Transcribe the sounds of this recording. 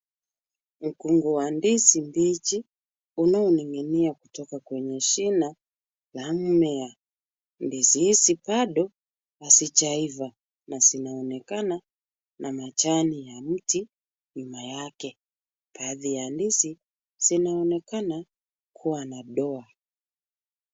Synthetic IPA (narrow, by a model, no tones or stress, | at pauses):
m̩kuŋɡɔwandisimbit͡ʃi | unaɔniŋɡɛniakutɔkakwɛɲɛʃina | lam̩mɛa | ndisihisipaɗɔ | asit͡ʃaiva | nazinaɔnɛkana | namat͡ʃanijam̩ti | ɲumajakɛ | paðijandisi | z̥inaɔnɛkana | kʰuwanaɗɔa